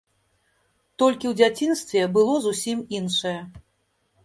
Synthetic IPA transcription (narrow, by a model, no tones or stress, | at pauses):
t̪ɔlʲkʲiwd͡zʲat͡sʲinst̪vʲɛbɨlˠɔzusʲiminʂɐjɛ